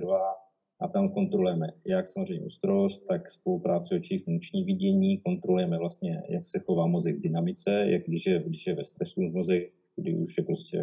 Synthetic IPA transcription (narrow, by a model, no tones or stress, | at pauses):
ɾva | ʔat̪amko̞nt̪ɾolujɛmɛjaksamozr̝ɛjɲɛ̰ʔust̪ɾost̪t̪akspo̞lupɾaːt͡sɪot͡ʃiːfuŋk̚t͡ʃɲiːvɪɟɛɲiːko̞nt̪ɾolujɛmɛvlast̪ɲɛjaksɛxovaːmo̞zɛɡvdɪnamɪt͡sɛja̰ɡdɪʃjɛɡdɪʃjɛvɛst̪ɾɛsuvmo̞zɛk̚ | ɡdɪʔuʃjɛpɾo̞scɛ̰